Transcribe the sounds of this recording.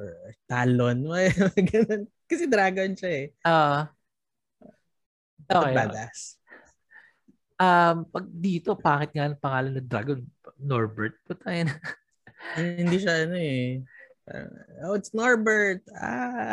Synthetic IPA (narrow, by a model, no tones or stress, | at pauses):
t̪alonmɐjɡɐnon | kɐsɛd̪ɾaːɡonʃɐɛʔoːʔo | ʔoːɛjat̪as | ʔɐmpɐɡ̚d̪iːt̪o̞baːkɪt̪̚ŋaʔnɐŋpɐŋaːlɐnːɐd̪ɾa̰ɡonpnoɹbɛɹt̪̚pʊt̪ɐjɐn | ɐhɪnd̪iːʃɐʔɐnoɛ̰ | oɪt̪snoɹbɛɹt̪̚a̰